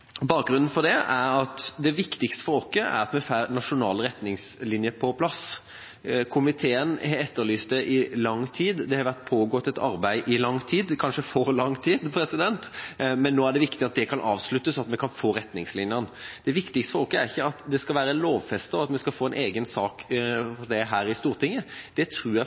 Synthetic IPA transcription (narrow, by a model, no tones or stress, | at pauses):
bɑːk̚ɡɾʉnn̩fɔʁd̪ɛæɾɑt̪d̪ɛʋɪkt̪ɪkst̪ə̥fɔɾɔkːəʔæ̰ɾɑt̪mɛfæɾnɑʂʊnɑ̰ːlɾɛt̪nɪŋslɪnjəpʰɔpʰlɑs | kʰʊmɪt̪ʰeːənhɑɛt̪ːəɾlyːst̪d̪ɛʔɪlɑŋːt̪ʰiːd̪d̪ɛhɑɾʋæʁt̪̚pʰoːɡɔt̪ːɛt̪ʰɑ̰ɾbæɪʔɪlɑŋːt̪ʰiːd̪kʰɑnʂəfɔɾlɑŋːt̪ʰiːd̪pʰɾɛsɪd̪ɛnt̪mɛnːoːæɖɛʋɪkt̪ɪɑt̪̚d̪ɛkʰɑnʔɑːʋslʉt̪ːəsɔɑt̪mɛkʰɑnfoːɾɛt̪nɪŋslɪnjənd̪ɛʋɪkt̪ɪkst̪əfɔkəæɾɪçːəɑt̪d̪ɛskɑlʋæːɾəloːʋfɛst̪əɔɑt̪mɛskɑlfoːɛnʔeːɡənsɑːkfɔɖ̪ɛɦæːɾɪst̪uːɾt̪ʰɪŋːəd̪̥ɛt̪ʰɾʉːjæ